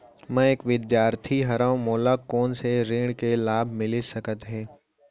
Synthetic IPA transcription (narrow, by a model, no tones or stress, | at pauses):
mɛ̃eːkʋɪd̪jaːɾt̪ʰiɦɐɾãʊmoːlakɔːnseɾɪ̃ːɽkelaːbʱmɪlisɐkət̪ɦɛ̃ː